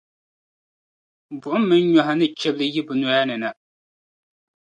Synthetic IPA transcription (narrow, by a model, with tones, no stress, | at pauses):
bʊ˨ʔʊ˦mː˦ɨ˦n˦ɲɔ˨ɦa˨nɨ˦t͡ʃɛ˦blɨ˦ji˦bɨ˨nɔ˨˦ja˦nɨ˨na˨